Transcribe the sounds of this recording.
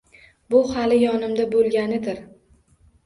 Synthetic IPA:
bʊhalɪjɒnɪmd̪abolˠɡʲanɪd̪ɪɾ

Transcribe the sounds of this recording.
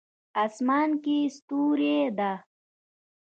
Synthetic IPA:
asmaːnkist̪uːɾed̪a

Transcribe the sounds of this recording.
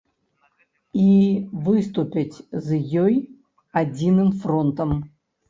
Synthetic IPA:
ivɨst̪ʊpʲɪtʲzjɔj | ɐd͡zʲinɨmfrɔnt̪əm

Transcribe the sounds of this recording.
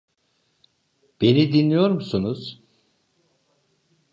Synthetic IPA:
b̥e̞nid̪inlʲijo̞ɾmusunuz̥

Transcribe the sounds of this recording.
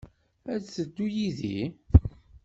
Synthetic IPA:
ædt͡səd̪ːujiðḭ

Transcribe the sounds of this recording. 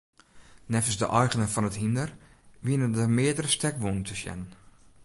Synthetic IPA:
nɛfəsdəʔɔjɣənəfɔnətɦindərʋiənədəmɪədəɾəstɛkʋuntʰəsjɛ̰n

